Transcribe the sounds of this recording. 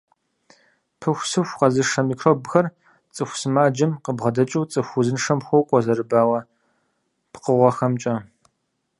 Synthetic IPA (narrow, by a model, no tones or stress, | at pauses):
pʰɨxʷsɨxʷqɐzɨʂɐmikʰroːbxɐr | t͡sʼɨxʷsɨmaːd͡ʒɐmqəbʁɐdɐt͡ʃʼuwt͡sʼɨxʷuzɨnʂɐmxʷowkʷʼɔzɐrɨbaːwɐ | pʰqəʁʷɐxɐmt͡ʃʼɐ